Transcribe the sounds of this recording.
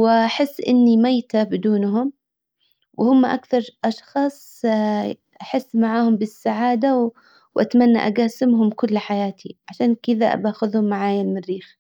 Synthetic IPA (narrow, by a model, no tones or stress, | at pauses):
wɪʔaħɪsːʔɪnːimajt̪abɪd̪uːnɦʊm | wɪhʊmːaʔakθɑɾˤʔɑʃxɑːsˤ | ʔaħɪsːmaʕaːhʊmbɪsːaʕaːd̪aw | wʔa̰t̪manːa̰ʔa̰ɡaːsɪmɦʊmkʊlːħajaːt̪ʰiʕaʃaːnkɪða̰baːxʊðhʊmːaʕaːjanmɪrːiːx